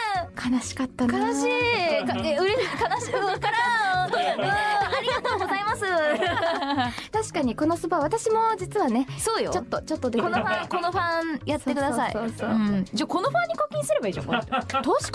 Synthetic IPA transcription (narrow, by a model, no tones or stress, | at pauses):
kʰanaɕi̥kat̪ːananaɕiːkaeɯ̟ɾekanaɕi̥kɯkaɾa | ɯ̃aɾʲiɡat̪o̞ːɡozaimasɨ | t̪aɕi̥kaɲ̟iko̞no̞sɨbaβat̪aɕimo̞d͡ʑit͡sɨβane̞soːjo̰t͡ɕo̞t̪ːo̞t͡ɕo̞t̪ːo̞d̪e̞konoɸãko̞no̞ɸãjat̪ːe̞kɯ̟d̪asaḭoːsõːd͡ʑaːko̞noɸãɲ̟ːikoːkʲĩɰ̃sɨɾe̞baiːʑo̰mo̰t̪oːɕi̥